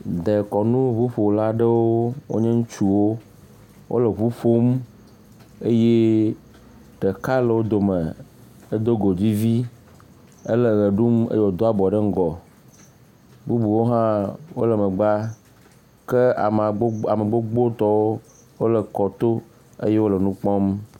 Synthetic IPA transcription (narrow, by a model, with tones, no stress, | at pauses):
d̪e˨kɔ˨nũ˦βu˦ɸo˨la˦ɖə˦wo˦wo̰˦ɲɛ˦ŋũ˦t͡ʃu˦wo˦ | wʔo̰˦lə˨βu˦ɸo˦m | e˦je˦ | ɖə˨ka˦lə˨wo˦d̪o˨mə˨ | e˦d̪o˦ɡo˨d͡ʑi˦vi˦ | ə˦le˦˨ɣə˨ɖu˦mḛ˦je˦wo˦d̪o˦a˦bɔ˨ɖə˦ŋ̩˦ɡɔ˨ | bu˦bu˨wo˦ɦã˦wo̰˦lə˨mə˨ɡ͡ba˦ | ke˦a̰˨m˨˦a˨mə˨ɡ͡bo˦ɡ͡bo˦t̪ɔ˦wo˦ | wo˦lə˨kɔ˨t̪o˦ | ḛ˦je˦wo˦lə˨nũ˦k͡pɔ̃˦m